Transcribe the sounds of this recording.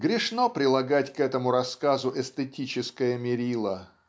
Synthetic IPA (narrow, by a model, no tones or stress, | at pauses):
ɡɾʲɪʂnopɾʲɪlˠɐɡatʲkɛt̪əmʊɾɐskazʊʔɛst̪ətʲit͡ɕɪskəjəmʲɪɾʲilˠə